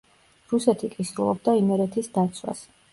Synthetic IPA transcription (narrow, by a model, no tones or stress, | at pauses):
ɾusɛt̪ʰikʼisɾulˠɔ̰b̚d̪aimɛɾɛt̪ʰisd̪at̪sʰwa̰s